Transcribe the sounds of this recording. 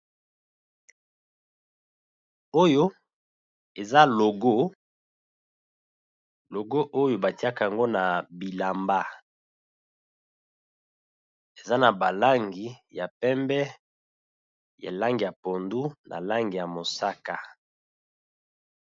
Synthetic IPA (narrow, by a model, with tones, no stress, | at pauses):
o˦jo˦ | e˨za˦lo˨ɡo˦ | lo˨ɡo˦ʔo˦jo˦ba˨ti˦a˦ka˨a˨ŋɡo˦na˨bi˨la˨mba˦ | e˨za˦na˨ba˨la˦ŋɡi˨˦ja˨pɛ˦mbɛ˦ | ja̰˨la˦ŋɡi˨ja˨po˨ndu˦nʔa̰˨la˦ŋɡi˨ja˨mo˨sa˦ka˨